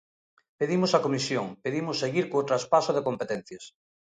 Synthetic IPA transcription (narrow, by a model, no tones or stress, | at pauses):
peðimosakomisjoŋpeðimosːeɣiɾkoːt̪ɾaspasoðekompet̪en̟θjes